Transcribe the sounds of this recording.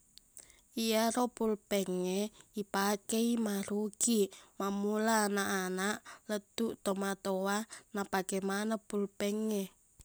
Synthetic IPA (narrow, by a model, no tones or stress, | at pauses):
ijaɾopulpɛŋeipakeimaɾuɡimamulanaʔanaʔlət̪uʔt̪omat̪owanapakɛmanapulpɛŋe